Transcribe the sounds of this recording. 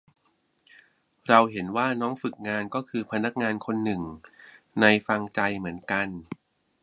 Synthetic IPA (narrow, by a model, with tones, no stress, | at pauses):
ɾa˧wɦe˩˦nwaː˥˩nɔː˦˥ŋfɯ˨˩k̚ŋaː˧nkɔː˥˩kʰɯː˧pʰa˧na˦˥k̚ŋaː˧nkʰo˧nːɯ˨˩ŋ | na˧jfa˧ŋt͡ɕa˧jmɯ˩˦ənka˧n